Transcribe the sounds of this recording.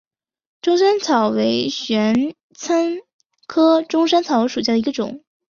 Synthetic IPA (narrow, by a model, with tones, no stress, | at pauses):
ʈ͡ʂʊ˥ŋʂa˥nt͡sʰɑ˨˩ʊwe˧˥ɪɕɥɛ˧˥n | t͡sʰa˥n | kʰɤ˥ʈ͡ʂʊ˥ŋʂ̬a˥nt͡sʰɑ˨˩ʊwe˧˥ʂu˨˩ɕja˥d̪ə˩i˧˥ɡə˧ʈ͡ʂʊ̰˨˩˦ŋ